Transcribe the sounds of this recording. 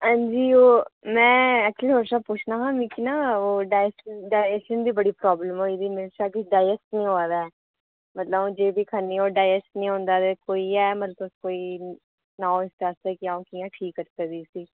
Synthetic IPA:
ãːnd͡ʒiːoːmɛ̃ːɛːk̚t͡ʃəliːɦoːʈsaːpʊt͡ʃʰnaːɦãːmĩːkinaːoːɖaːsɖaːɛʃənd̪iːbəɽiːpɾɔːbləmoːed̪iːmɪlʃaːkɪɖaːjɛsʈnĩːɦoaːd̪aːɛː | mət̪ləbõːd͡ʒeːbiːkʰanːiːoːɖaːɛsʈnĩːɦõːnd̪aːt̪eːkoːiːɛːməɾt̪oskoːiː | nãːɪst̪eaːst̪eːkɪãõːkiːjãːʈʰiːkːəɾt̪əd̪iːsiː

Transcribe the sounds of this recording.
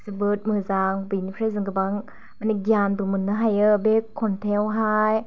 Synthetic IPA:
sɯbɯt̚mɯzaŋbɯjnipʰɾajzɯŋɡɯbaŋ | maniɡianbɯmɯnːɯɦajɯbekʰːɔntʰewɦaj

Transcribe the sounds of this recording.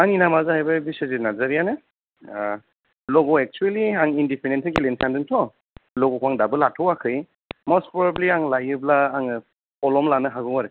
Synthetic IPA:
aŋinamazaɦajbabisɯzinazaɾijanɯ | lɔɡɔek̚t͡ʃueliaŋindipʰenentʰɯkilensandɯntʰɔ | lɔɡɔkʰwaŋdabɯlatʰɔwakʰɯj | mɔspʰɾɔbabliaŋlajɯblaːŋɯ | ɔlɔmlanɯɦaɡɯwaɾɯ

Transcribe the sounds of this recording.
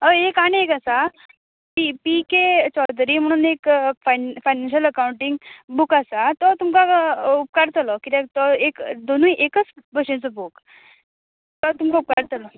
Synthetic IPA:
əekaɽ̃iekasa | pipiket͡ɕɔd̪ɾiːm̤əɽ̃uːnekfajfajnanɕ̬ələkawuɳʈiŋɡbukasat̪ɔt̪umkaup̚kaɾt̪əlɔkit̪ɛt̪ɔekd̪onuiʔekət͡sbəɕẽt͡sɔbuk | t̪ɔt̪umkaup̚kaɾt̪əlɔ

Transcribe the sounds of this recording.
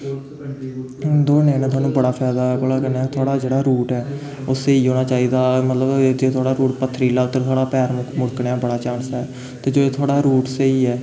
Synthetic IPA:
d̪oːnẽːnãːt̪ʰwaːnũːbəɽaːpʰɛːd̪aːɛːbəɽaːkəɾneːt̪ʰʊaːɽaːd͡ʒeːɽaːɾuːʈɛː | oːseiːɦoːñaːt͡ʃaːiːd̪aːmət̪ləbd͡ʒeːt̪ʰʊaːɽaːɾuːʈpət̪ʰːəɾiːlaːʊt̪ːəɾt̪ʰʊaːɽaːpɛːɾmmʊɽknːaːbəɽaːt͡ʃaːnsɛː | t̪eːd͡ʒoːeːt̪ʰʊaːɽaːɾuːʈseiːɛː

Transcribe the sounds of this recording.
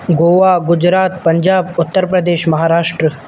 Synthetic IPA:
ɡoːʋaɡud͡ʒɾaːt̪pəɲd͡ʒaːbʊt̪ːəɾpɾəd̪eːʃmɐɦaːɾaːʂʈɾə

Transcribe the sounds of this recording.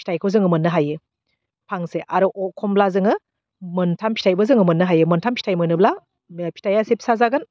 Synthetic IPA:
pʰi̥tʰajkʰowzɯŋɯmɯnːɯɦajɯ | pʰaŋseʔaɾuʔɔkʰɔmblazɯŋɯ | mɯntʰampʰi̥tʰajbɯzɯŋɯmɯnːɯɦajɯmɯntʰampʰi̥tʰajmɯnɯbla | pʰi̥tʰajasepʰi̥sazaɡɯn

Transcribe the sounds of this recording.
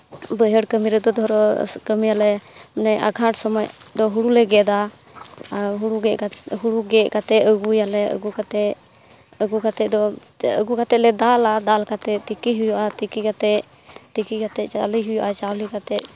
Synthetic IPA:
bəɦəɽkəmiɾɛd̪ɔd̪ɔɾɔkəmijalɛnɛjʔaɡʱãʈsɔmɔjd̪ɔɦuɽulɛɡɛd̪a | ɦuɽuɡɛʔaɦuɽuɡɛʔkat̪ɛʔəɡujalɛə̰ɡukat̪ɛ | əɡukat̪ɛʔd̪ɔ | ə̰ɡukat̪ɛlɛd̪alad̪alkat̪ɛt̪ikiɦujɔʔat̪ikikat̪ɛ | t̪ikikat̪ɛʔt͡ʃaliɦujɔʔat͡ʃalikat̪ɛʔ̚

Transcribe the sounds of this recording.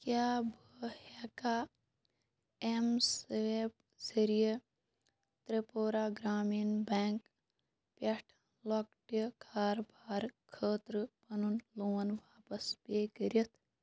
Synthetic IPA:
kjaːbʱəhɛkaː | emsep | siɾije | t̪ɾepoːɾaːɡɾaːmiːnbeŋk | pɐʈʰ | lok̚ʈəkʰaːɾbʱaːɾkʰəːt̪ɾɨpɐnunloːnʋaːpɐspeːkəɾʲɐt̪ʰ

